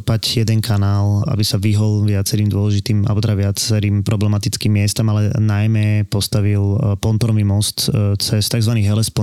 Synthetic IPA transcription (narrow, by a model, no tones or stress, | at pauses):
pacjɛd̪ɛnkʰanaːla̰bisaʋiɦɔlʋɪat͡sɛɾiːmd̪ʊɔlɛʒit̪iːma̰bɔt̪ɛɾaʋɪat͡sɛɾiːmpɾʔɔblɛmat̪it͡skiːmːɪɛst̪amalɛnajmɛpɔst̪aʋilpɔnt̪ɔɾɔʋimɔst̪t͡sɛst̪aɡzʋaniːɣɦɛlɛspɔ